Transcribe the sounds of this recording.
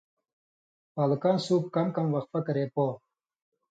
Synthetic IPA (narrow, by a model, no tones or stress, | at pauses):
paːlukaːnsuːp̚kamkamwɐxt̪̚pɐkɐɾeːpoː